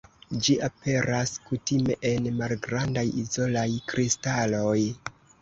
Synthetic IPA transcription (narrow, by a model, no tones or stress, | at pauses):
d͡ʒiʔapʰe̞ɾaskutime̞̰ʔenmalɡɾandajizo̞lajkɾistaloj